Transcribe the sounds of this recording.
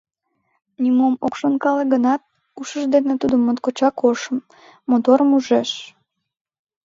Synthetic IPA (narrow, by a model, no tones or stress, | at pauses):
nʲimomokʃonkɑleɣənɑt̪̚ | uʃəʒd̪enet̪ud̪əmːot̪̚kot͡ɕɑkoʃəmː | ot̪oɾəmuʒeʃ